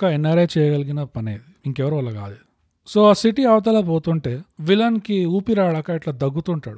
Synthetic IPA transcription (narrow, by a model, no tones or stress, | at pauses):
kɐenːɐɾɐt͡ʃɛːjɐɡɐliɡinɐpɐneːd̪iiŋkɛʋɐɾuːɐlːɐɡa̰ːd̪i | so̞ːasiʈiɐʋɐt̪̬ɐlɐpoːt̪uɳʈe̞ːʋilɐnkiuːpiɾaːɭɐkaːiʈlɐːd̪ɐɡːut̪uɳʈaːɽu